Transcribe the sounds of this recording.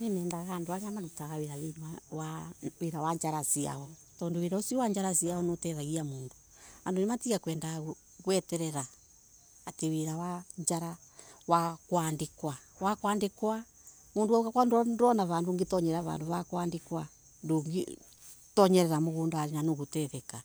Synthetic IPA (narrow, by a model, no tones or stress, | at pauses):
nimɛːndaɣaːndoaɣeamaɾutaɣaweɾawemawaweɾawaɲd͡ʒaɾasia̰ɔ | tɔːndoweɾaosiɔwaɲd͡ʒaɾasiaɔnotɛðaɣiamoːndo | andonematiɣakwɛːndaɣ | ɣwɛtɛɾɛɾaː | teweɾawaɲd͡ʒaɾa | wakwandekwawakwaːndekwa | moːndowauɣakwanddɔnaβaːndoŋɡetɔɲɛɾɛɾaβa̰ːndoβakwaːndekwa | ndoŋɡḭ | tɔɲɛɾɛɾamoɣuːndaɾenanoɣotɛðɛka